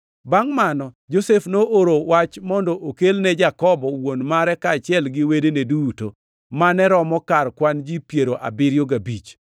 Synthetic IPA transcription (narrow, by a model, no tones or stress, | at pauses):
baŋmanɔ | d͡ʒosefnoʔoɾowat͡ʃmɔndɔʔokelnɛd͡ʒakɔbɔwonmaɾɛkaːt͡ʃɪɛlɡɪwedeneduto | manɛɾɔmɔkarkwand͡ʒipjeɾoʔa̰bɪɾjoɡabit͡ʃ